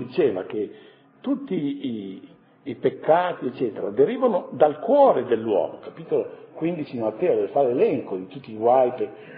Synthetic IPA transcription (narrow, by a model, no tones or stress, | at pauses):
d̪it͡ʃeːva̰ke | t̪ut̪ːiː | pekːaːt̪iet͡ʃːɛːt̪eɾa̰d̪eɾiːvanod̪alkwɔːɾed̪elːwɔ̰ːmokapit̪olokwind̪it͡ʃid̪imat̪ːɛːod̪ɛvefaɾelɛŋkod̪it̪ut̪ːiːɡwajpe